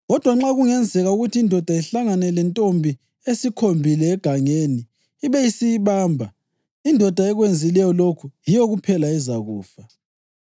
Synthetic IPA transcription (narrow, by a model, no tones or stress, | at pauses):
ɣɔd̥ʱwaŋ͡ǁaɣuŋɛnd͡zʱɛɣauɣutʰiːndʱɔd̥ʱaiɬaŋanɛlɛntʼombʱi | esikʰombʱilɛːɡ̥ʱaŋeniː | βɛjisijiβaːmbʱa | indʱɔd̥ʱaɛɣwend͡zʱilɛjɔlokʰujijɔɣupʰɛlaɛzaɣuːfa